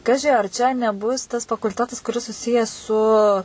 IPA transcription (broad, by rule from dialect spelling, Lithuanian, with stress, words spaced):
ˈkɑːʒʲɪ ɐr t͡ʃʲɛ nʲɛˈbʊs tɐs fɐkʊlʲˈtʲæːtɐs kʊˈrʲɪs sʊˈsʲɪjɛs sʊ